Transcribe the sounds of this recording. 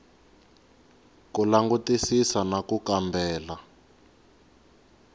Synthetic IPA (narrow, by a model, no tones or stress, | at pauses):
kulaŋɡutisisanakukambʱɛːla